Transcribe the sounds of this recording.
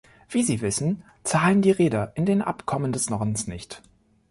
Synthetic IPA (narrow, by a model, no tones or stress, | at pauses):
v̥iːziːvɪsn̩ | t͡saːləndiːʁeːdɐʔɪndeːnʔa̰pkʰɔməndɛsnɔʁdn̩snɪçt